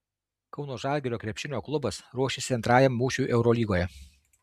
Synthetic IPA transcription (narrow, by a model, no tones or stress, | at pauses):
kɒʊnoːʒɑˑlʲɡʲɛɾʲoːkɾʲɛpʲʃʲɪnʲoːklˠʊbɐsɾuɔʃʲesʲɪɐnt̪ɾɑːjɛmːuːʃʲuʔɛʊɾɔːlʲiːɡoːjɛ